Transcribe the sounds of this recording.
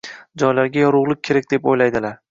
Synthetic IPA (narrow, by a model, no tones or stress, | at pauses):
d͡ʒɒjlaɾɡʲajɒɾʊʁlˠɪk̚ʲkʲʰːe̞ɾak̚ʲd̪e̞pojlajd̪ɪlaɾ